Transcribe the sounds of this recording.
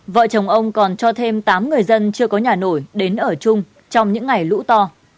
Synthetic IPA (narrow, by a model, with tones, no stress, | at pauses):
və̰ː˧˨t͡ɕə˨˩wŋ͡mʔə˧wŋ͡mkɔ˨˩nt͡ɕɔ˧t̪ʰe˧mt̪aː˨˦mŋɨ˨˩əjzə˧nt͡ɕɨ˧əkɔ˨˦ɲaː˨˩no˧˩jɗe˨˦nʔəː˧˩t͡ɕʊ˧ŋ͡m | t͡ɕɔ˧wŋ͡mɲɨ̰˧˥ŋːa˨˩jlṵ˧˥t̪ɔ˧